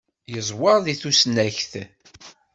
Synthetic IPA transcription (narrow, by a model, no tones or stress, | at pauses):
jəzˤwɑɾˤðiθusnæçθ